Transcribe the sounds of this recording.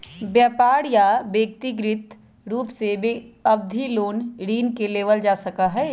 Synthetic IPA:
bjaːpaːɾjabeːk̚t̪iɡɾɪt̪ | ɾuːpsebeɐbd̪ʱiloːnɾiːnkeleːʋəld͡ʒaːsɐkaɦɛː

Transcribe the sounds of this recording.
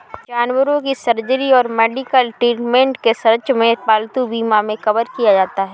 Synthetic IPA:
d͡ʒaːnwəɾõkisəɾd͡ʒəɾiɔːɾmeːɖikəlʈɾiːʈmẽːɳʈkesɐɾt͡ʃmẽpaːlt̪ubiːmamẽkɐbəɾkijad͡ʒaːt̪aɦɛː

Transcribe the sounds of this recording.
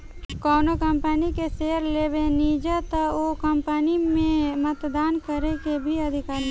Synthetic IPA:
kɔːnokəmpənikeseːɦəɾleːbeniːd͡ʒat̪aokəmpənimẽmət̪d̪aːnkəɾekebʱiɐd̪ʱɪkaːɾ

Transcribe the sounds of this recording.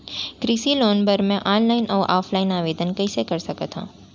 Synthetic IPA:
kɾiːsiloːnpɐɾmɛ̃ʔaːnlaːɪnʔɔːɾʔaːfʰlaːɪnaːʋeːd̪ənkɐisekɐɾsɐkət̪ɦã̰ː

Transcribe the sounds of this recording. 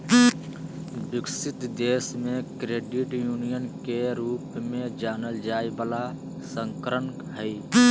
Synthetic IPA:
bɪksɪt̪d̪eːsmẽkɾeːɖɪʈjuːnijənkeɾuːpmẽd͡ʒaːnəld͡ʒaːjbaːla | sə̃ŋkɾəmkɦəi

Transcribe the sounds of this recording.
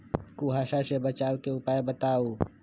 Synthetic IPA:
kuɦaːʃasebət͡ʃaːlkeʊpaːebət̪aːuː

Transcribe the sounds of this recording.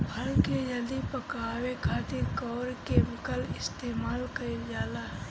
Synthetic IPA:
bʱɐɭkejɐd̪ipɐkaːwekʰaːt̪ɪɾkɔːɾkemɪkəlɪst̪eːmaːlkɐid͡ʒaːlaː

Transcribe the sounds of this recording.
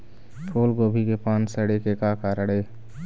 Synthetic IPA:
ʈʰoːlɡoːbʱikepaːnsəɽekekakaːɾəɽeː

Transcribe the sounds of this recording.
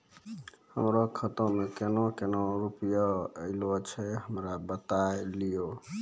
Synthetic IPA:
həmɾokʰət̪õmẽkenõkenoɾupijaəɪlot͡ʃʰɛɦəmɾabət̪aelijo

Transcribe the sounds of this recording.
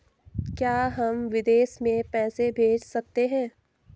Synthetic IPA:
kjaːɦɐmʋɪd̪eːʃmẽpɛːsebʱeːd͡ʒsɐk̚t̪eɦɛ̃ː

